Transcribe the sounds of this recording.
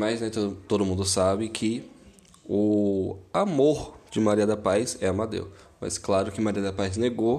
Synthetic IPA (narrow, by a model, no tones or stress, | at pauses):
maʒnɛt̪ot̪od̪ʊmũnd̪ʊsabɪkʰɪ | ʊ | amoɾd͡ʒɪmaɾiɐd̪ɐpajsɛɐmad̪ḛwmɐ̰sklaɾʊkɪmaɾiɐd̪ɐpajzneɡo